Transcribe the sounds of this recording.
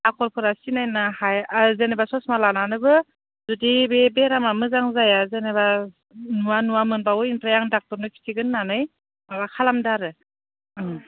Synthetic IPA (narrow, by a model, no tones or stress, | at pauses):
akʰɔɾpʰɔɾasinajnahajzenebasɔsmalananɯbɯ | zudibebeɾamamɯzaŋzajazeneba | nuanuwamɯnbawɯintɾajaŋdak̚tɔɾnɯkʰi̥tʰiɡɯnːanɯj | babakʰalamdaɾɯ